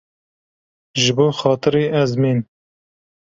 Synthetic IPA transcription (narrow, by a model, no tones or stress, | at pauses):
ʒɨboːxɑːt̪ɨɾiːʔɛzmiːn